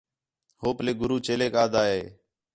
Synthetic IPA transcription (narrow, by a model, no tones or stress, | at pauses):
hoːpleːɡʊɾuːt͡ʃeːleːkaːd̪aːɦeː